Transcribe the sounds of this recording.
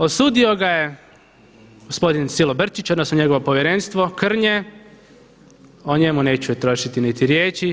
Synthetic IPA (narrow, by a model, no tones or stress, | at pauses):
osuːd̪io̞ɡaje | ɡospo̞d̪insilobr̩t͡ʃit͡ʃod̪nosnoɲe̞ɡo̞ʋopo̞ʋjeɾenst̪ʋo̞kr̩ɲe | oɲe̞mune̞ːt͡ɕuet̪ɾo̞ʃit̪init̪iɾjeːt͡ɕi